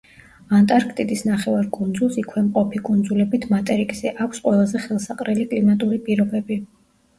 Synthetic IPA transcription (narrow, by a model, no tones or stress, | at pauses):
ant̪ʼaɾkʰt̪ʼid̪isnaχɛvaɾkʼund̪zulˠsikʰwɛmqʼɔpʰikʼund̪zulɛbit̪ʰmat̪ʼɛɾikʼsɛʔakʷʰsqʼwɛlˠazɛχɛlˠsaqʼɾɛlikʼlimat̪ʼuɾipʼiɾɔbɛbi